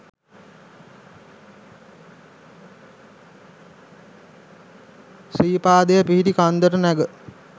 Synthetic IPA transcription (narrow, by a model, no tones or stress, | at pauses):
siːpaːd̪əjəpiɦiʈikand̪əɾənæɡə